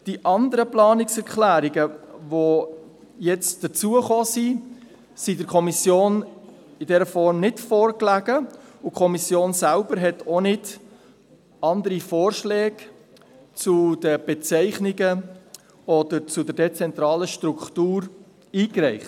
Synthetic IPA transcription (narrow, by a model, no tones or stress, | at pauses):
d̥iʔɑndəɾəplɑːnɪksɛɾklæːɾiɡəvo | jɛt͡sd̥ət͡suəχoːsi | sidəɾkʰɔmisjoːn | ɪdɛɾəfɔɾmnɪtfɔːɾklæɡəʊkʰɔmisjoːnsælb̥əɾɦɛtʰonɪd | ɑndəɾifoːɾʃlɛːɡ | t͡sud̥əb̥ɛt͡sɛɪχnɪɡə | ɔd̥əɾt͡sudɛdɛt͡sɛnt̪ɾɑːləʃtɾuktuːɾ | iːkrɛɪχt